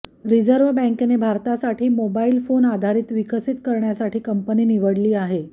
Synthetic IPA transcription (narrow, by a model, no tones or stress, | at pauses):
ɾid͡zəɾʋbɛ̃ŋknebʱaɾt̪asaʈʰiːmobailfonad̪ʱaɾiːt̪ʋikəsit̪kəɾɳjasaʈʰiːkəmpəniːniʋəɽliːaɦe